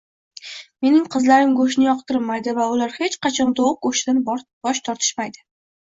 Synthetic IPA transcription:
me̞nɪŋqʰɨzlaɾɪmɡoʃnɪjɒqt̪ʰɪɾɪmajd̪ɪvaʊlaɾhe̞t͡ʃqʰɑt͡ʃʰɒnd̪oq̚ɡoʃd̪anb̥ɒʃt̪ʰɒɾt̪ʰɪ̥ʃmajd̪ɪ

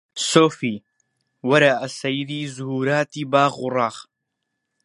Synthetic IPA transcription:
soːfiː | wɐɾaʔɐsɐjɾiːzuhuːɾaːt̪iːbaːɣurɑːχ

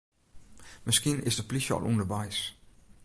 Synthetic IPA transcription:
mɪskinɪ̰sdəplisəɔ̰lˠʔṵndəʋɛjs

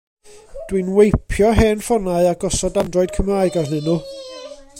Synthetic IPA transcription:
d̥winwejpʰjɔɦeːnfɔnaɨaɡɔsɔdandrɔɨd̚kʰəmraːɨɡarnɨnu

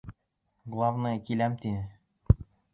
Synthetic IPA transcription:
ɡlˠavnɤjkilæmt̪inɘ

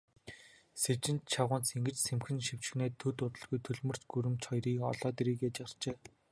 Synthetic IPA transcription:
set͡ɕɪ̆nt̪t͡ɕʰaʁʊːnt͡seŋɡɘ̆t͡ɕsemxɘ̆nʃiw̥t͡ɕɪ̆xneːt̪ʰːɵt̪ʊt̪ə̆ɮɣujt̪ʰɵɮmɵ̆r̥t͡ɕɡuɾɘ̆mt͡ɕχɔjriːkɔ̰ɮɔːt̪eɾiːkeːt͡ɕar̥t͡ɕeː

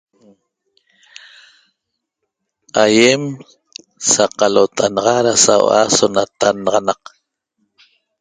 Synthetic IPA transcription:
ajem | saqalot̪aanɑʁɑɾasawa̰sonat̪anɑʁɑnɑq

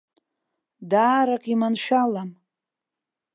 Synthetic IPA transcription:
daːɾakʼimanʃᶣalam

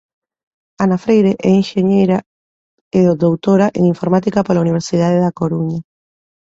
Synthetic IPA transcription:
anafɾejɾeʔɛiŋʃeɲejɾa | eoðowt̪oɾaʔḛŋiɱfoɾmat̪ikapolauniβ̞eɾsið̞aðeðakoɾuɲa

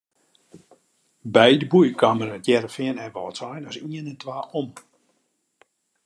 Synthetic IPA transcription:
bɛjdəbujkaməɾətjɛɾəfɪənɛʋɔltsajnɔsiənɛntʋaːʔom

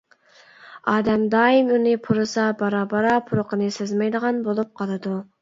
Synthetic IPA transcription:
ɑːd̪ɛmd̪ɑːimunɪpʰuɾɨsɑbɑɾɑbɑɾɑpʰuɾʊqənɨsezmɛjd̪əʁɑnbolˠup̚qʰɑlˠɨd̪u

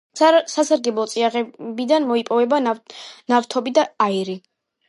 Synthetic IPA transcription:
sasaɾɡɛblˠɔt̪sʼiaʁɛbid̪anmɔipʼɔvɛbanaft̪ʰɔbid̪aːiɾi

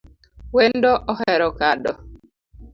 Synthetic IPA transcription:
wendɔʔɔhɛɾɔkadɔ

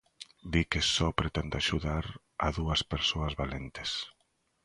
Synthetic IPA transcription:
d̪ikesɔpɾet̪ɛnd̪aʃuðaɾ | a̰ðuɐspeɾsoɐzβalent̪e̥s

